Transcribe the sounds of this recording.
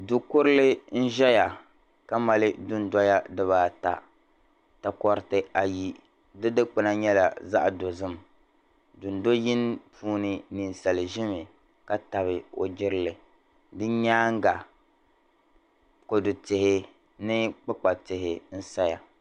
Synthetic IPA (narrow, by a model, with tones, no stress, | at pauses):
dʊ˨kʊ˦ɾɨ˦lɪ˦n̩˦ʒɛ˦ja˨ | ka˦ma˨lɪ˦dʊ˦n̩˦dɔ˦ja˦dɨ˦βaː˨ta̰˨ | ta˨kɔ˦ɾɪ˦tɨ˦a˨ji˦ | dɨ˦dɨ˦k͡pɨ˨na˦ɲɛ˦la˨za˦ʔdo˨zɨ˦m˨ | dʊ˨n˦do˦jɪ˦n˦pʰuː˦nɨ˦ni˨n˨sa˨lɨ˨ʒɪ˦mɪ˨ | ka˦ta˨βɪ˨o̰˨d͡ʒɪ˦ɾɪ˦lɨ˨ | dɨ˦ɲaː˦ŋ˦ɡa˨ | ko˨dʊ˨tɪ˨hɪ˦ | nɨ˦k͡pɨ˦k͡pa˨tɪ˨hɪ˨n̩˦sa˦ja˨